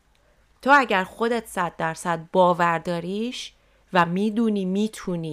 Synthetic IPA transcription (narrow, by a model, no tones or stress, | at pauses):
t̪ʰoːæɟæɾxo̞d̪et̪ʰsæd̪̚ːæɾsæd̪̚bɒːvæɾd̪ɒːɾiːʃ | væmiːd̪uːniːmiːt̪ʰuːniː